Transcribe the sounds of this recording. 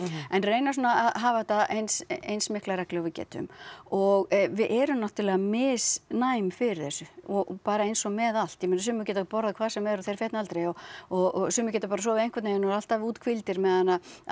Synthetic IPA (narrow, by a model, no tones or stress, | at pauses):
ɛnreːjnasunaaðɦaːvat̪ːaʔejnsejnsmɪhklaɾɛhklɛɣɔvɪcɛ̰ːt̪ʏ̰mɔɣvɪðʔɛɾʏmnaht̪ʏɾlɛːɣamɪːsnaːjmfɪɾɪ̥θɛsːʏɔpaːɾaejnsɔmɛðal̥t̪jɛmeːnasʏːmʏcɛːt̪apɔɾðakʰvaːðsɛmɛɾɔθejɾfɛht̪nalt̪ɾejɔɔɣɔsʏːmʏcɛːt̪apaːɾasɔːvɪej̪kvɛt̪najɛnɔɾal̥t̪avuːt̪kʰvɪlt̪ɪɾmɛðanːa